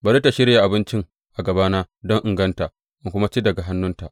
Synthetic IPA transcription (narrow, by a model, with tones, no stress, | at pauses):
bɐ˨ɾi˦ta˨ʃɪ˦ɽja˨ʔa˨bɪ˦nt͡ʃɪ˦ŋ | ʔa˨ɡɐ˨baː˦naː˦ | dɔ˦ŋʔɪ˨ŋɡɐ˦nta˨ʔ | ʔɪ˨ŋkʷʊ˦ma˦t͡ʃi˦dɐ˨ɡa˨ɦa˦nːʊ˦nta˨ʔ